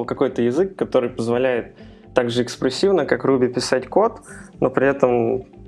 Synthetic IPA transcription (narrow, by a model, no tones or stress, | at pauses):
kɐko̞jt̪əjɪzɨkːɐt̪o̞ɾɨjpəzvɐlʲæjɪt̪ː | aɡʐɨɪkspɾʲɪsʲːivnəkakrubʲɪpʲɪsatʲko̞t̪no̞pɾʲɪɛt̪əm